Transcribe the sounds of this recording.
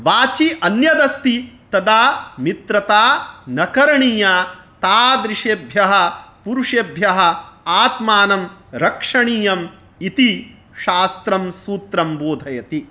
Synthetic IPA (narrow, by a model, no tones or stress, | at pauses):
ʋaːt͡ʃiʔɐnjɐd̪ɐst̪it̪ɐd̪aːmit̪ɾɐt̪aːnɐkɐɾɐɳiːjaːt̪aːd̪ɾiʂeːbʱjɐɦɐ̆puɾuʂeːbʱjɐɦɐ̆aːt̪maːnɐmɾɐkʂɐɳiːjɐm | it̪i | ʃaːst̪ɾɐmsuːt̪ɾɐmboːd̪ʱɐjɐt̪i